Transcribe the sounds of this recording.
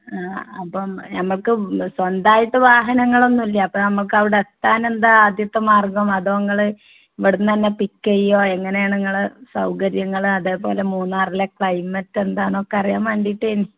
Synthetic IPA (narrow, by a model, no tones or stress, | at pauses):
aːɐpːɐmnɐmːɐɭkɨswɐnd̪aːjiʈːɨʋaːɦɐnɐŋːɐɭo̞nːumilːiɐɐpːɐːnɐmːɐɭk̬ɐʋiɽeet̪ːaːne̞nd̪aaːd̪jɐt̪ːɐmaːrɡɐmɐðoːŋːɐɭɨ | iʋɐɽunːɨt̪ɐnːe̞pikːɐjːo̞ːe̞ŋːɐne̞jaːɳeŋːɐɭɨsɐwkɐɾjɐŋːɐɭɐðe̞ːpo̞̰ːle̞muːnːaːrilekɭɐjmɐtːe̞nd̪aːɳo̞ːkːɐrijaːmɐɳɖijiʈːeːni